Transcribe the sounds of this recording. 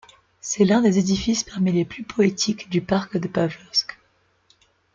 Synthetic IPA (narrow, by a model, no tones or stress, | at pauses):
sɛlɛ̃d̪ezed̪ifispaʁmileplypʰɔet̪ʰikd̪ypaʁkd̪əpavlɔsk